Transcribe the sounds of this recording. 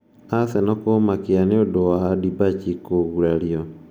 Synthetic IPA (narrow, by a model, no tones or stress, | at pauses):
asɛnɔkomakeaneodowadibat͡ʃikoɣuɾaɾjɔ